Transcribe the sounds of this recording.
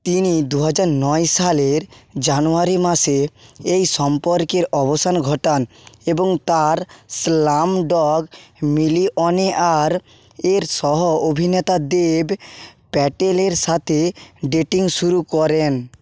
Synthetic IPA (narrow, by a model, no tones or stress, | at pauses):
t̪inid̪uɦad͡ʑaɾnɔjʃaleɾd͡ʑanuaɾimaʃeejʃɔmpoɾkeɾɔbosanɡʱɔʈaneboŋt̪aɾslamɖɔɡmiliʔɔneʔaɾ | eɾʃɔɦoobʱinet̪ad̪eb | pɛʈeleɾʃat̪ʰeɖeʈiŋʃuɾukɔɾen